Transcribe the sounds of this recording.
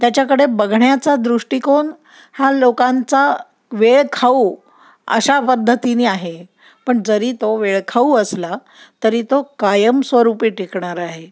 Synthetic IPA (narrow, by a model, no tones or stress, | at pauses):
t̪jat͡ɕakəɽebəɡʱɳjat͡sad̪ɾuʂʈikoɳ | halokãnt͡sa | ʋeɭkʰauː | ə̰ɕapəd̪ʱːət̪iniːaɦe | pəɳd͡zəɾiːt̪oʋeɭkʰauəsla | t̪əɾiːt̪okajəmsʋəɾupiʈikɳaɾaɦe